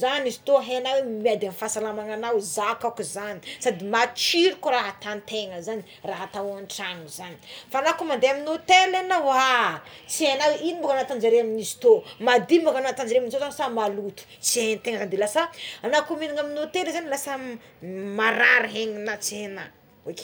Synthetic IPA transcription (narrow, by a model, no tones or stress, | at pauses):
zanizi̥t̪oɦenawemiad̪anifasalamaŋanawzakakuzanisad̪imat͡ʃiɾukoɾaɦat̪ant̪eŋəzani | raɦat̪aaɳʈ͡ʂaŋuzani̥fanakumand̪eaminot̪elenawat͡sienaweʔinibukanat̪and͡ʒaɾeaminizi̥t̪omad̪imbukanaat̪and͡ʒaɾeaminit̪ozanisamalut̪u̥t͡sient̪eŋəzanid̪ilasaanakuminiŋaminot̪elezanilasə | maɾaɾiɦeŋinat͡siena | oke̥